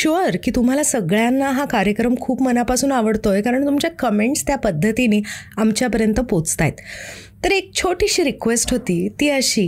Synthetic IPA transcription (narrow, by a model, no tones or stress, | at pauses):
ɕʋəɾkiːt̪um̤alasəɡɭjanːaɦakaɾjəkɾəmkʰuːpmənapasuːnaʋəɽt̪ojekaɾəɳt̪umt͡ɕjakəmeɳʈst̪japəd̪ʱːət̪iniːamt͡ɕjapəɾjənt̪əpot͡st̪ajt̪ː | əɾek̚t͡ɕʰoʈiɕiːɾikʋesʈɦot̪iːt̪iːəɕiː